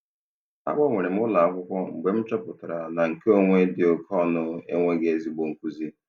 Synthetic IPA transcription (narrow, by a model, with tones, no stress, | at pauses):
a̰˦ɡ͡bɔ˦ŋʷe˨ɾe˨m̩˦ʊ˦la˨a˦kʷʊ˦kʷɔ˦ŋ͡m̩˨ɡ͡be˨m̩˦t͡ʃɔ˦pʊ˨tʊ˨ɾa˨na˨ŋ̩˨ke˦o˦ŋʷe˦dɪ˨o˨kʰɔ˦˨nʊ˦ḛ˦ŋʷe˦ɡe˦e˦zi˨ɡ͡bo˨ŋ̩˨kʷu˦zi˦